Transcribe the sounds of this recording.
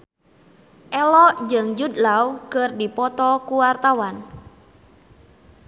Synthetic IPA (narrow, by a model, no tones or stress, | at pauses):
ʔɛlɔd͡ʒəŋd͡ʒud̪lawkərdipɔt̪ɔkuwart̪awan